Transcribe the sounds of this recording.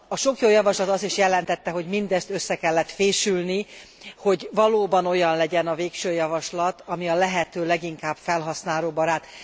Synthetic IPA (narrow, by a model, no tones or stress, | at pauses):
ɒʃo̞kjoːjɒvɒʃlɒt̪ɒst̪iʃjɛlɛnt̪ɛt̪ːɛɦo̞ɟmind̪ɛst̪ø̞sːɛkɛlːɛt̪feːʃylni | ho̞ɟvɒloːbɒno̞jɒnlɛɟɛnɒveːkʃøːjɒvɒʃlɒt̪ɒmiɒlɛɦɛt̪øːlɛɡiŋkaːb̥fɛlɦɒsnaːloːbɒɾaːt̪